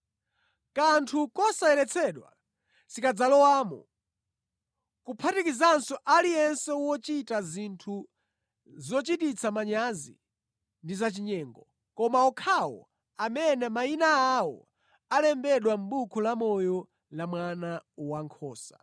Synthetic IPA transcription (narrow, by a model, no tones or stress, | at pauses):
kantʰukɔsaɛlɛt͡sʰɛɗwa̰ | sikad͡zalɔwaːmɔ̰ | kupʰatikizansɔʔalijɛnsɛwɔt͡ʃitazintʰu | zɔt͡ʃitit͡sʰamaɲazḭ | ndizat͡ʃiɲɛːŋɡɔ | kɔmaɔkʰawɔ̰ | amɛnɛmainaːwɔ̰ | alɛmbɛɗwam̩ɓukʰulamɔjɔ | lamwanawaŋkʰɔːsa